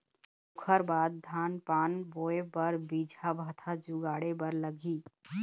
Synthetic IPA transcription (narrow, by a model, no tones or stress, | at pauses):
ukʰəɾbaːd̪̚ːʱaːnpanboebəɾbid͡ʒʱabʱət̪ʰad͡ʒuɡaɽebəɾləɡi